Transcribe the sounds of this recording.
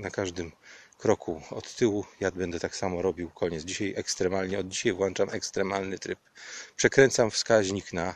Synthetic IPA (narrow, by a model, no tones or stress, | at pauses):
nakaʐd̪ɘmkɾɔkʰuɔt̪ːɘwujad̪̚bɛnd̪ɛt̪aksamɔɾɔbʲiwkʰɔɲɛt̪zd͡ʑiɕajʔɛkst̪ɾɛmalɲɛɔd̪̚d͡ʑiɕajvwɔnt͡ʂamɛkst̪ɾɛmalnɘt̪ɾɘppʂɛkɾɛnt̪samfskaʑɲikna